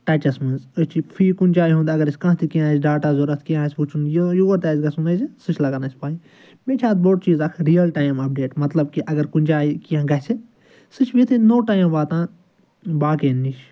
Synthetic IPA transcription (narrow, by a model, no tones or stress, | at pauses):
ʈɐt͡ʃɐsmɨ̃nzɐt͡ʃipʰiːkunʲt͡ʃaːjɦũnd̪ɐɡɐɾɐsʲkɐ̃t̪ʰikiãːsɖaːʈaːzoɾɐt̪ʰkiãːsʲput͡ʃʰunjjuːoɾt̪aːzɡɐsunɐzsɨt͡ʃʰlɐɡɐnɐsʲpaːi | meːt͡ʃʰaːt̪̚boʈt͡ʃiːzɐkʰɾijɐlʈaːjmɐp̚ɖeːʈmɐt̪lɐb̚kiʔɐɡɐɾkunʲd͡ʒaːikiãːɡɐsi | sɨt͡ʃʰʋit̪ʰinoːʈaːjmʋaːt̪ãː | baːkeːnːiʃ